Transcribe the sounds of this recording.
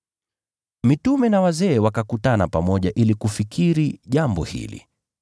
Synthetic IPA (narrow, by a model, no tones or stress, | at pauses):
mitumɛnawazɛːwakakutana̰pamɔʄaʔilikufikiɾiʄambɔhḭlḭ